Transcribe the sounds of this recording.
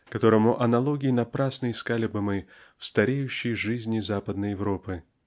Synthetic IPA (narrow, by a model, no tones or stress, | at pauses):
kɐt̪o̞ɾəmʊʔɐnɐlˠo̞ɡʲɪːnɐpɾasnɨjɪskalʲɪbɨmɨfst̪ɐɾʲejʉɕːɪjʐɨzʲnʲɪzapəd̪nəjɪvɾo̞pɨ